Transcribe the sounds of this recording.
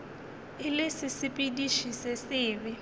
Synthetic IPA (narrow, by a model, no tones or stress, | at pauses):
ɪlesɪsɪpʼidiʃisɛsɪːβɪ